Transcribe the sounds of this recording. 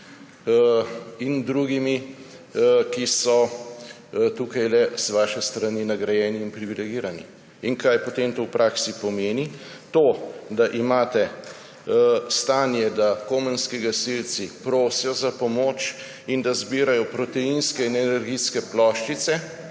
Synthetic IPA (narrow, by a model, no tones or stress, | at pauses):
ind̪ɾuːɡimi | kisɔ | t̪uːkajlɛz̥ʋaːʃɛst̪ɾaninaɡɾajɛːniːnpɾiʋilɛɡiːɾanḭ | iŋkajpot̪eːmt̪owpɾʔaːksipɔmeːnit̪oːd̪aʔimaːt̪ɛ | st̪aːnjɛd̪akomənskiɡasilt̪sipɾoːsjɔzapɔmoːt͡ʃ | ind̪azbiːɾajɔpɾɔt̪ɛjinskɛinɛnɛɾɡiskɛplɔːʃt͡ʃit̪sɛ